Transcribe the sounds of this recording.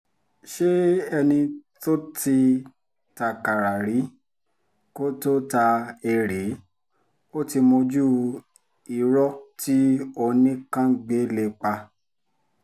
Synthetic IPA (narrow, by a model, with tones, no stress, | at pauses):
ʃe˦ɛ˧nĩ˧to˦ti˧ | ta˨ka˨ɾa˨ɾi˨˦ | ko˦to˦ta˧e˧ɾe˨˦ | o˦ti˧mo˧d͡ʒu˦ | i˨ɾɔ˦tʰi˦o˧nĩ˦kã˦ɡ͡be˨˦le˧˨k͡pa˧